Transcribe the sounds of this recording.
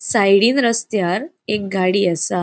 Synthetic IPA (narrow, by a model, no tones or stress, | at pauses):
sajɽiːnɾəst̪jaɾ | ek̚ɡʱaɽiːasa